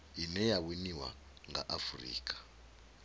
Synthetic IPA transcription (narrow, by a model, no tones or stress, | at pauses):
inɛjawiniwa̰ | ŋɡa̰ʔafurḭːk̬ʰʼḁ